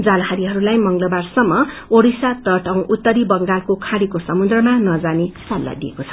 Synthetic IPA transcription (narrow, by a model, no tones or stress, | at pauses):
d͡zalɦaɾiɦʌɾulajmʌŋɡlʌbarsʌmːʌ | oɽisat̪ʌʈʌ̃w̃ʔut̪ːʌɾibʌŋɡalkokʰaɽikosʌmud̪rʌmanʌd͡zanesalːa̰d̪iḛkot͡sʰʌ̥